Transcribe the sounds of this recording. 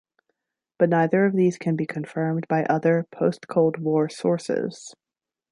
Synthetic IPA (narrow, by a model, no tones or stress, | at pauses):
b̥ʌtⁿnaɪðə˞ʌvðiz̥kʰɨ̃nbikʰɨ̃ɱfɜ̃˞mbaɪʔʌðə˞pʰoʊstkʰoʊlˠd̚wɔɹsɔ̰ɹsɪ̰z̥